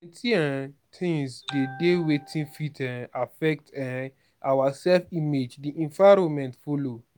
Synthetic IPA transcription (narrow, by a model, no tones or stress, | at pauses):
ɛ̃tʰiɛ̃tʰĩŋsdedewetʰĩnfitɛ̃afɛk̚tɛ̃ | awasɛlfĩmed͡ʒdiʔɛ̃nvaɾɔ̃nmɛ̃ntfolo